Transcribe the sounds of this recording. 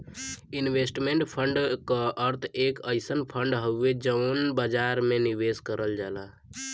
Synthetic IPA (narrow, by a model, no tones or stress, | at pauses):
inwesʈmeɳʈpʰəɳɖkəʔəɾt̪ʰekəɪsənpʰəɳɖɦəed͡ʒənbad͡ʒaɾmeniʋeskəɾəld͡ʒala